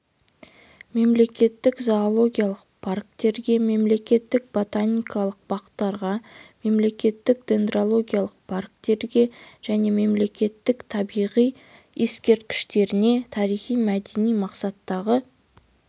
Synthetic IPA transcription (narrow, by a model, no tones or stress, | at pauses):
me̞mle̞kʲe̞t̪ːɪkzoolˠo̞ɡʲijalˠəqpʰark̚t̪e̞ɾɡʲe̞me̞mle̞kʲe̞t̪ːɪk̚bo̞t̪anʲijkɑlˠəq̚bɑqə̥t̪ːɑɾʁɑme̞mle̞kʲe̞t̪ːɪkd̪̥ʲe̞nd̪rolˠo̞ɡʲijalˠəq̚pʰark̚t̪e̞ɾɡʲe̞ʒ̥æne̞me̞mle̞kʲe̞t̪ːɪkt̪ʰɑbijʁij | eskʲe̞ɾt̪̚kʲɪ̥ʃt̪e̞ɾɪne̞t̪ʰɑɾijχijmæd̪e̞nijmɑqsɑt̪ːɑʁə